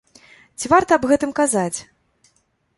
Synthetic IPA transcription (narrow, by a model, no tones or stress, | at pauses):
t͡sʲivart̪ɐːbɣɛt̪ɨmkazat͡sʲ